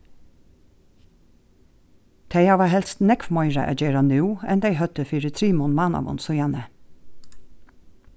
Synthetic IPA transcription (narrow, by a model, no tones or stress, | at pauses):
t̪ʰeɪɑːʋɑhɛlst̪nɛkfmɔʏɹɛ̰ʔɑ̰ɡeːɾɑnʉːɛnd̪æɪhœt̪əfiːɾət̪ʰɾiːmɔnmɑːnɑ̰ʋɔ̰nsʊjɑnə